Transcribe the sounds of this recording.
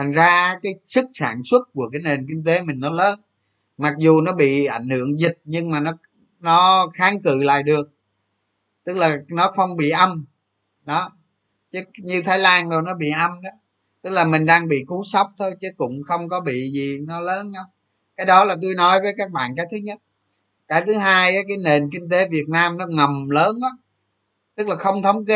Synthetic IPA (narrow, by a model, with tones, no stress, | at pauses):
t̪ʰa˨˩ŋzaː˧kaː˨˦jsɨ˦˥k̚sa̰ː˧˨nswə˦˥t̚ku˧˩əkaː˨˦jne˨˩nki˧ŋt̪e˨˦mï˨˩ŋ̟nɔ˨˦ləː˨˦n | ma˨˩k̚zu˨˩nɔ˨˦ɓḭ˧˨ʔa˧˩jŋ̟hɨ̰˧˨əŋzi˨˩t̚ɲɨ˧ŋmaː˨˩nɔ˨˦ | nɔ˨˦xaː˨˦ŋkɨ̰˧˨la̰ː˧˨jɗɨ˨˩ək̚ | t̪ɨ˦˥k̚laː˨˩nɔ˨˦xə˧wŋ͡mɓḭ˧˨ʔə˧m | ɗɔ˨˦ | t͡ɕɨ˨˦ɲɨ˧t̪ʰaː˨˦jlaː˧nzo˨˩jnɔ˨˦ɓḭ˧˨ʔə˧mɗa˨˦ | t̪ɨ˦˥k̚laː˨˩mï˨˩ŋ̟ɗaː˧ŋɓḭ˧˨ku˨˦sə˦˥wk͡p̚t̪ʰo˧jt͡ɕɨ˨˦kʊ̰˧˥ŋ͡mxə˧wŋ͡mkɔ˨˦ɓḭ˧˨zi˨˩nɔ˨˦ləː˨˦nɗɔ˨˦ | kaː˨˦jɗɔ˨˦laː˨˩t̪u˧jnɔ˨˦jvəː˨˦jkaː˦˥k̚ɓa̰ː˧˨nkaː˨˦jt̪ʰɨ˨˦ɲə˦˥t̚ | kaː˨˦jt̪ʰɨ˨˦ɦaː˧jʔaː˨˦kaː˨˦jne˨˩nk̬ï˧ŋ̟t̪e˨˦vi˨˩ət̚naː˧mnɔ˨˦ŋə˨˩mləː˨˦nʔɔ˨˦ | t̪ɨ˦˥k̚laː˨˩xə˧wŋ͡mt̪ʰə˨˦wŋ͡mk̬e˧˦